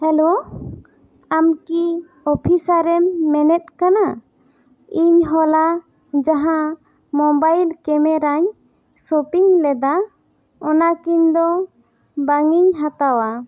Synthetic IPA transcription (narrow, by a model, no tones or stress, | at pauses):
hɛlo | amki | ɔpʰisaɾɛmːɛnɛt̪̚kana | iɲɦɔla | d͡ʒaɦã | mɔbajlkɛmɛɾaɲ | sopiŋlɛd̪a | ɔnakiɲd̪ɔ | baŋiɲɦãt̪awa